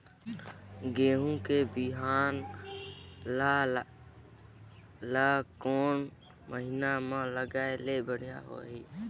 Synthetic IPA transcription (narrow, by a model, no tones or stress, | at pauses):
ɡeːɦũkebɪɦaːn | la | lakoːn | məɦɪnamãləɡaːelebəɽ̤ija̰ɦo̰ːɦiː